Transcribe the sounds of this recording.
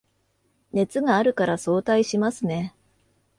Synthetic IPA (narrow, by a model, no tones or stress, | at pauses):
ne̞t͡sɨɡaːɾɯ̟kaɾaso̞ːt̪aiɕimasɨne̞